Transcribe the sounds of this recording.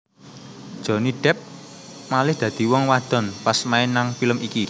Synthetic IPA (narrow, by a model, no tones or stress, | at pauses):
d̥ʒ̥ɔ̤niɖ̥ɛ̤p̚ | malɪhd̪̥ä̤d̪̥i̤wɔŋwad̪̥ɔ̤npasmaɪnːaŋfiləmiki